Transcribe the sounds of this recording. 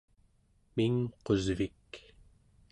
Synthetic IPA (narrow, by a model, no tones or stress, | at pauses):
miŋqozvik